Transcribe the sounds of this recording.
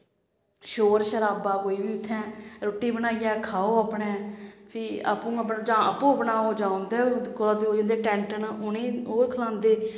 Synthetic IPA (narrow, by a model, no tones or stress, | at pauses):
ʃoːɾʃəɾaːbaːkoːiːbiːʊt̪ʰːɛ̃ːɾoːʈːiːbənaːijaːkʰaːoːaːpɳẽːpʰɪa̰pũːəpːd͡ʒãːəpũːəpnaːɦoːd͡ʒãːõnd̪eːoːkolaːd̪eːɦoːd͡ʒãːnd̪eːʈɛ̃ːɳʈənʊnẽːoːkʰəlãːnd̪eː